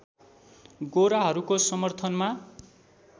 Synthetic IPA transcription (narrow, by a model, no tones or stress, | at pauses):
ɡoɾaɦʌɾukosʌmʌrt̪ʰʌnma